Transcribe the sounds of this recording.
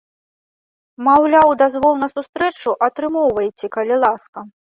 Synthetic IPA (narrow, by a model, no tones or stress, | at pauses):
mawlʲawd̪azvɔlˠnɐsust̪ɾɛt͡ʂuʔɐt̪ɾɨmɔwvɐjt͡sʲɛkɐlʲilˠaskɐ